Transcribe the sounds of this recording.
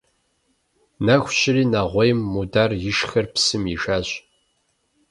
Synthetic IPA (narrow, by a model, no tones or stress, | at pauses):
naxʷɕɪriːnaʁʷɔjmːudarjɪʃxɐrpsɨmiʒaːɕ